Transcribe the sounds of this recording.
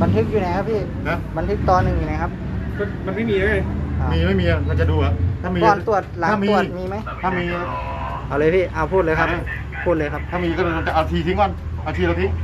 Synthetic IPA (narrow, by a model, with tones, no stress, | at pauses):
ba˧nt̪ʰɯ˦˥k̚juː˧˨na˧˥jkʰa˦˥pʰiː˥˩ | na˧ba˧nt̪ʰɯ˦˥k̚t̪ɔː˧nːɯ˧ŋjuː˧˨na˧˦jkʰa˦˥p̚ | ma˧˩ma˧nma˥˩˨jmiː˧ʔaː˧˩˨aː˨˧˩miː˧ma˥˩˨jmiː˧a˧ka˧˩t͡ɕa˨˧˩duː˧a˧t̪ʰaː˥˩miː˧ɔː˧nt̪u˧˩ət̪̚laː˨aː˧˥˧miːu˧˩əmiː˧ma˦˥jtʰa˥˩miː˧kʰa˦˧˩ | ʔa˧˩wlɤː˧pʰiː˧˥˩ʔaː˧˩pʰuː˥˩lɤː˧kʰa˦˥ma˧˥˩ | pʰːuː˥˩t̪̚ɤː˧jkʰa˦˥p̪̚ʰaː˧˥˩miː˧kɔ˥˩duː˧˩a˧t̪a˨˧˩ʔa˧˩t̪ʰiː˧˩sʰiː˧˦˥ŋka˧˥˨n | ʔa˧˩t̪ʰi˧˨a˧t̪ʰi˦˥